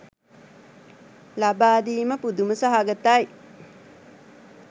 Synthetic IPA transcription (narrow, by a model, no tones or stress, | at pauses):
labaːd̪iːməpud̪uməsaɦaɡət̪aj